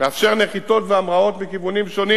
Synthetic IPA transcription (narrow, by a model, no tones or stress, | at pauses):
meafʃe̞ʁneχit̪o̞t̪veamʁao̞t̪vekivunimʃo̞ni